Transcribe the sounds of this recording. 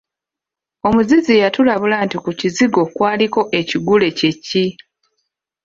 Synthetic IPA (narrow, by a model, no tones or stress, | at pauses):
o̞muzizijatulaβulantikuciziɡo̞kwaːliko̞ʔe̞ciɡule̞ce̞cːi